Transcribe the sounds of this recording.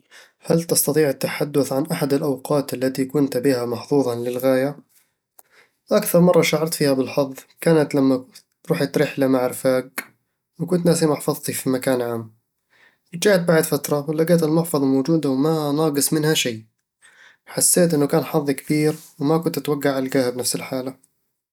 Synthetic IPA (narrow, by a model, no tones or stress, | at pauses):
halt̪ɑst̪ɑt̪ˤiːʕt̪ːaħad̪ːʊθʕanʔaħad̪alʔawqɑːt̪ʔalːat̪ikʊnt̪bihamɑħθuːðˤɑlɪlɣaːja | ʔakθɑɾˤmɑrˤːɑʃaʕɑɾˤt̪fiːhabɪlħɑðˤːkaːnat̪lamːa | ɾˤuːħat̪ɾɪħlamaʕɪɾfaːɡ | wɪkʊnt̪naːsimɑħfɑðˤt̪ifimakaːnʕaːmː | d͡ʒaːht̪̚baʕɪd̪fat̪ɾˤɑwɪlːaɡaːt̪almʊħfɑðˤlmowd͡ʒuːd̪awmanɑːɡɨsˤmɪnhaʃaj | ħasːeːt̪ʔɪnːʊkaːnħɑðˤːkb̥iːɾwmakʊnt̪at̪waɡːaʕalɡaːhabnafsɪlħaːla